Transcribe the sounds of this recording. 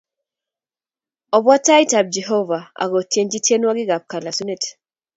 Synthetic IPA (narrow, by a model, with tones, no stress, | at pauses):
ɔ˨bwa˦ta˦i˦ta˨b̚d͡ʒɛ˨ɦo˦va˨a̰˨ɡo˨tje˦nd͡ʒi˦tje˦nwa˦ɡɪ˦ɡa˨p̚ka˨la˨su˦ne˦˨t